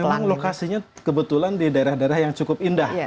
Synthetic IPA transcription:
emaŋlokasiɲakəbət̪ulandidaeɾahdaeɾahjaŋt͡ʃukʊp̚indah

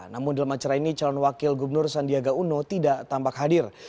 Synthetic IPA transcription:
namʊndalamat͡ʃaɾainit͡ʃalɔnwakɪlɡubənʊrsandiaɡaunɔt̪idaʔt̪ambakɦadɪr

